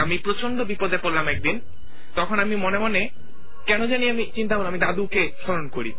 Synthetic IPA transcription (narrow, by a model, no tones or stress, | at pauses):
amipɾot͡ɕond̪obipod̪epoɾlamɛk̚d̪in | t̪ɔkʰonamimonemone | kɛnod͡ʑanieamit͡ɕint̪aboloamid̪ad̪ukeʃɔɾonkoɾi